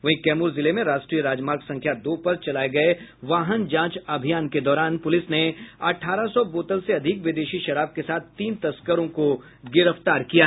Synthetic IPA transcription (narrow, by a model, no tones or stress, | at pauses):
ʋɐɦĩkɛːmuːɾzɪlemẽɾaːʃʈɾiːəɾaːd͡ʒmaːɾɡsɐ̃ŋkʰjad̪oːpɐɾt͡ʃɐlaːeɡɐeʋaːɦənd͡ʒãːt͡ʃɐbʱijaːnked̪ɔːɾaːnpʊlɪsneɐʈʰaːɾasɔboːt̪əlseɐd̪ʱɪkʋɪd̪eːʃiʃɐɾaːb̚kesaːt̪ʰt̪iːnt̪ɐskəɾõko | ɡɪɾəft̪aːɾkija